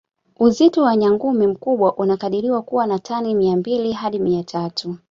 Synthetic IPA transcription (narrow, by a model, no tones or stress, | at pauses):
uzitɔwaɲaŋɡumim̩kuɓwaʔunakaɗiɾiwakuwanatʰanimiambiliɦaɗimiatʰatu